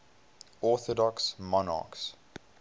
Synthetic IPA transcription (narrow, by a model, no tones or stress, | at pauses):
ɔˑθɔdɔksmɔnɑ̰ːˑks